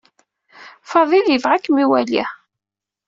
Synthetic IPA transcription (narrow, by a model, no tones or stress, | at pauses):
fɑðˤiljəvʁakːmiwælḭ